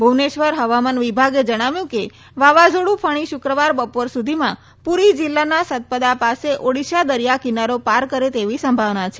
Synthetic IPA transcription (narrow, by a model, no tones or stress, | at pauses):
bʱuʋneʃʋəɾɦəʋamanʋibʱaɡed͡ʒəɽ̃aʋjũke | ʋaʋad͡ʒoɽũpʰəɽ̃iʃʊkɾəʋaɾbəpoɾsud̪ʱimã | puɾid͡ʒɪlːanasət̪̚pəd̪apaseʔoɽiʃad̪əɾijakinaɾopaɾkəɾet̪eʋisəmbʱaʋnat͡ʃʰe̥